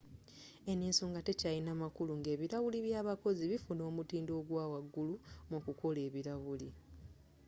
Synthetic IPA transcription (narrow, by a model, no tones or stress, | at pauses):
e̞niːnso̞ŋɡate̞cajinamakuluŋɡe̞ːβiɾawuliβjaːβako̞ziβifuno̞ːmutiːndo̞ːɡwaːwaɡːulumukuko̞le̞ːβiɾaβuli